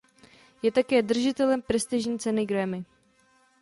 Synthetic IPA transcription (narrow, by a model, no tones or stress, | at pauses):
jɛt̪akɛːd̪r̩ʒɪt̪ɛlɛmpɾɛst̪ɪʒɲiːt͡sɛnɪɡɾɛmɪ